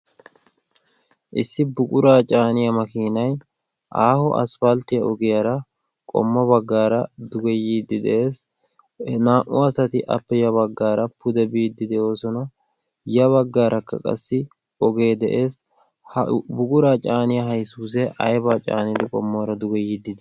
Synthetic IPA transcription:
ʔɪsːɪbʊkʼʊɾaːt͡ʃʼaːnɪjɐmɐkiːnɐj | ʔaːhɔʔɐ̰sfɐlt̪ɪjɐʔɔɡɛjɐɾɐ | kʼɔ̰mːɐbɐɡːaːɾɐd̪ʊɡɛjiːd̪ːɪd̪ɛ̰ʔeːs | naːʔʊɐsɐt̪ɪʔɐ̰pːɛjɐβɐɡːaːɾɐpʰʊd̪ɛbiːd̪ːɪd̪ɛo̞ːsɔnɐ | jɐβɐɡːaːɾʔɐkːɐ̰kʼɐ̰sːɪ | ɔɡe̞ːd̪ɛʔeːs | bʊkʼʊɾaːt͡ʃʼaːnɪjɐɦɐjsuːs̬ɛʔɐ̰jbaːt͡ʃʼa̰ːnɪd̪ɪkʼɔmːoːɾɐd̪ʊɡɛjiːd̪ːɪd̪ɪ

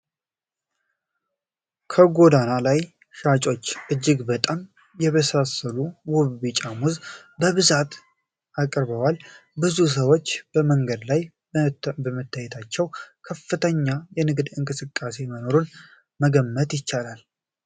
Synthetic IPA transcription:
kʰəɡo̞d̪analaj | ʃat͡ʃʼo̞t͡ʃːʔɨd͡ʒːɪɡbət̪ʼam | jɛβəsasəluwuβːit͡ʃʼamuz | bəβɨzat̪ | ʔakʼɾbəwalbɨzus̬əwo̞t͡ʃːb̥əməŋɡəd̪laj | bəmɨt̪ʰːajɛt̪ʰat͡ʃːɛwkʰəfːɨt̪ʰəɲːajɛnɨɡd̪ɨŋkʼɨsɨkʼːase̞məno̞ɾun | məɡəmːət̪jɪt͡ʃːalal

